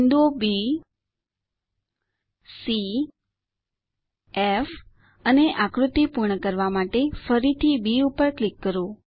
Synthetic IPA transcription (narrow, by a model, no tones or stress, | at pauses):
nd̪obi | si | ef | əneʔakɾut̪ipuɾɳəkəɾʋamaʈefəɾit̪ʰibiupəɾklikːəɾo